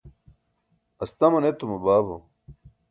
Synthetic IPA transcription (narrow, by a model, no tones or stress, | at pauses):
ɐst̪ɐmɐnet̪umɐbaːbo̰